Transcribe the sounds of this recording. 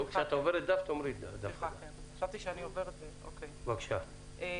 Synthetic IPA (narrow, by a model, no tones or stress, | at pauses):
kʃeat̪aoveɾet̪̚d̪aft̪omɾid̪afakemxaʃavt̪iʃeanioveʁed̪zeokejvakʃa̰ | e